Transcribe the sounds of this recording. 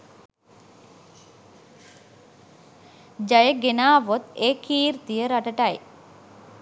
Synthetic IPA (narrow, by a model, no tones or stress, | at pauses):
d͡ʒajəɡenaːʋot̪ekiːɾt̪ijəɾaʈəʈaj